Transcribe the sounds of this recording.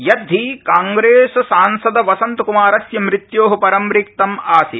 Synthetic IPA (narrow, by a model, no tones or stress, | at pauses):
jɐd̪ʱikaːŋɡɾeːssaːnsɐd̪ɐʋɐsɐnt̪kumaːɾɐsjɐmɾɪt̪joːɦɐpɐɾɐmɾik̚t̪ɐmaːsḭ